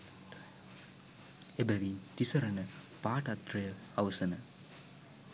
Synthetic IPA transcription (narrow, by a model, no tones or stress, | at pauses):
ebæʋint̪isɐɾɐnə | paːʈɐt̪rɐjɐɐʋɐsɐnə